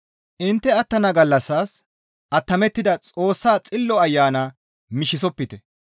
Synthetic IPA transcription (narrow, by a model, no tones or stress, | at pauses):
ʔɪnt̪ːɛɐt̪ːɐnɐɡɐlːɐsːaːs | ʔɐt̪ːɐmɛt̪ːɪd̪ɐt͡sʼo̞ːsːaːt͡sʼɪlːɔɐjːaːna | mɪʃɪsɔpːɪt̪ɛ